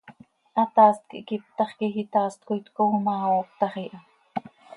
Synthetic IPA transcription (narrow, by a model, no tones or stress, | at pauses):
ʔɑt̪ɑːst̪̚kḭʔkip̚t̪ɑχkixit̪ɑːst̪̚kojt̪komɑːop̚t̪ɑχiːʔɑ